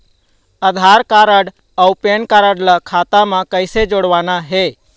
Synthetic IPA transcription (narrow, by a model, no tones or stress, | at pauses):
əd̪ʱaɾkaɾəɽ | əupenkaɾəɽləkʰat̪amẽkəɪsed͡ʒoɽʋanaɦe